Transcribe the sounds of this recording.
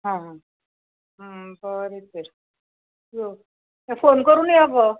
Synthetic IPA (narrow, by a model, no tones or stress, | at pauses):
ɦãɦã | ɦəbəɾit͡səɾ | d͡zo | ɛfonkəɾuːnjɛaʋə